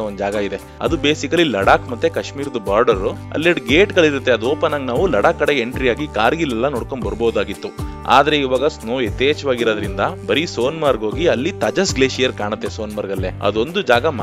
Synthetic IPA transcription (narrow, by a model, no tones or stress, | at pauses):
ond̪d͡ʒaːɡɐid̪e̞ | ɐ̰d̪ube̞ːsikɐlilɐɽaːkmɐt̪ːe̞kɐʂmiːɾd̪ɐbaːɾɖɐɾuɐ̰lːiɖɡeːʈɡɐɭiɾut̪ːeɐd̪uoːpɐnaŋɡnaːʋulɐɽaːkːɐɽeeɳʈɾijaːɡikaːɾɡilːɛlːɐnoːɽkoɳbɐɾuboːud̪aːɡit̪ːu | a̰ːd̪ɐɾe̞iʋaːɡɐsnoːet̪ːeːd͡ʒɐʋaːɡiɾoːd̪ɐɾind̪ɐbɐɾiso̞ːnmaːɾɡo̞ːɡiɐlːit̪ɐd͡ʒɐsɡleːʃijɐɾkaːɳɐt̪ːeso̞ːnmaːɾɡɐlːeːɐ̰d̪o̞nd̪ud͡ʒaːɡɐm